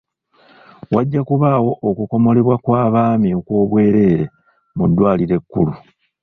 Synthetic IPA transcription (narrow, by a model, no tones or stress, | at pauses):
waɟːakuβawo̞ʔokuko̞mo̞le̞βwakwaːβaːmiokwo̞ːβwe̞ːɾe̞ːɾe | mudːwaːliɾe̞kːulu